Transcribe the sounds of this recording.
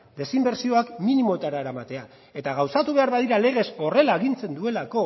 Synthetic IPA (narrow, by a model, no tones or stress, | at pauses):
d̪e̞simbe̞ɾsio̞akminimo̞et̪aɾaeɾamat̪e̞a | e̞t̪aɣ̞awsat̪uβ̞e̞aɾβaðiɾale̞ɣ̞e̞so̞re̞laeɣint͡se̞nd̪ue̞lako̞